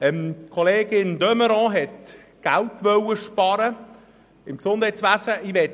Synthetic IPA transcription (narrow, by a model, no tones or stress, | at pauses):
ɛmkʰoleːɡɪnd̪œməɾɔ̃ːɦɛt | ɡ̥altʋœwəʃpɑːɾə | ɪmksʊnd̥hɛjt͡sʋæsəʔɪʋɛt